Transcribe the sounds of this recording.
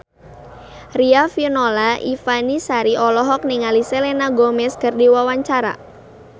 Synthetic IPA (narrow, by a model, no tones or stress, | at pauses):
riafinolaʔifanisaɾiɔlɔɦɔk̚niŋalisɛlɛnaɡomɛskərdiwawaɲt͡ʃaɾa̰